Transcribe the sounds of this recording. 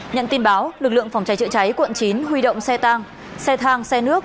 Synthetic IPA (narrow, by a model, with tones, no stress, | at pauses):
ɲə̰˧˨nt̪i˧nɓaː˨˦wlɨ˨˩k̚lɨ̰˧˨əŋfa˨˩wŋ͡mt͡ɕa˨˦jt͡ɕɨ̰˧˨t͡ɕa˨˦jkwə̰˧˨nt͡ɕi˨˦nhwi˧ɗo̰˧˨wŋ͡msɛ˧t̪aː˧ŋ | sɛ˧t̪ʰaː˧ŋsɛ˧nɨ˦˥ək̚